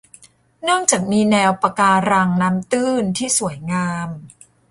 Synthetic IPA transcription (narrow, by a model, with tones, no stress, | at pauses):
nɯ˥˩əŋt͡ɕaː˨˩k̚miː˧nɛː˧wpa˧kaː˧ɾa˧ŋnaː˦˥mt̪ɯː˥˩nt̪ʰiː˥˩su˩˦əjŋaː˧m